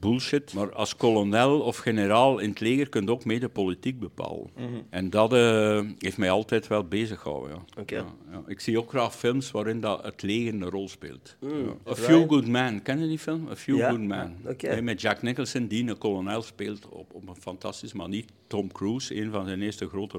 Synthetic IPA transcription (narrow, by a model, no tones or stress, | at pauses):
bulˠʃɪtmaːrɑ̰lˠskɔlonɛlˠɔfxenəɾaːlˠɪnətleːɣərkɵntoːkmeːdəpolitik̚bəpa̰ːlə̰nɛndɑtəɦeːftmɛjɑlˠtɛjtʋɛlˠbeːzəxɔ̰wə̰ja̰ja̰ʔɪksioːkxraːxfɪlˠmsʋaːɾɪndɑətʰleːɣərnərɔlˠspḛːlˠtəfjuɡudmɛnkɛnədifɪlˠməfjuɡudmɛ̰nɛmɛtd͡ʒaknɪkəlˠsəndinəkɔlonɛlˠspeːlˠtɔ̰ɔpənfɑntɑstisəma̰ni | tːɔmkruːseːnvɑnzɛnɪːrstəɣroːtə